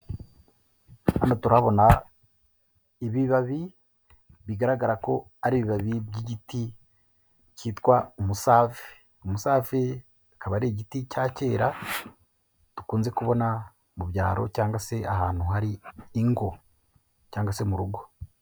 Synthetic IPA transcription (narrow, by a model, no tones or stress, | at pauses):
a̰natuɾaβo̞na | iβiβaβi | βiɡaɾaɡaɾako̞ | aɾiːβiβaβibɟiɟiti | ciːtwaumusaːfe̥ | umusaːfe | akaβaɾeːɟiticaːce̞ːɾa | tu̥kuːnze̞kuβo̞na | muβjaːɾo̞̰caːŋɡwase̞ahaːn̥huɦaɾiːŋɡo̞ | caːŋɡwase̞muɾuɡo̞